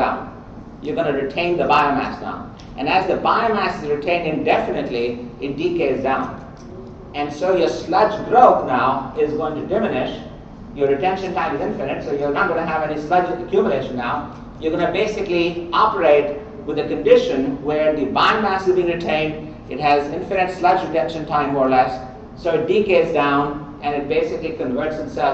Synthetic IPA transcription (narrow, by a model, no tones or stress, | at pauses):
ãʊ̃n | jɔɡʌ̃nɨɾɪʈʰẽɪ̃nd̪əbaɪõmæ̰sdã̰ʊ̃n | ʔɨ̃næzd̪əbaɪmæsɨzɾɪʈʰẽɪ̃nɪ̃nɖɛfɪnɨʈliɪʈ̚ɖikeːsdãʊ̃n | ɨ̃nɖsoːjəslʌd͡ʒɡɾoʊt̪naʊɪzɡoɪ̃ŋʈuɖɪmɪnɪʃ | jɔɾːɨʈɛ̃nʃə̃nʈãɪ̃mɨzɪ̃ɱfɪnɨ̃nʈsojunɑt̚ɡõnɨɦævɛnislʌd͡ʒəkjumjəleɪʃə̃nːaʊ | juəɾɡʌnəbeːsɪkliɑpəɾeɪʈ | wɪd̪əkə̃nɖɪʃə̃nwəɾd̪ibãɪ̃nmæsɨzbĩɪ̃ŋɾɪʈʰẽɪ̃nɖ | ɪʈɦæzɪ̃ɱfɪɾɨ̃ʈslʌd͡ʒɾɪʈɛ̃nʃə̃nʈʰãɪ̃mɔːɾlɛsː | oːɪʈ̚ɖikeːzdãʊ̃n | ʔɛ̃nɪʈ̚beːsɪklikə̃nʋəɾʈsɪtsɛl